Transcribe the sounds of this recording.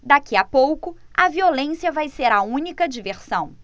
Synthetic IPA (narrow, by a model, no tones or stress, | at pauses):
d̪akiapowkʊ | ɐviolẽsiɐvajseɾɐũnikɐd͡ʒiveɾsɐ̃w̃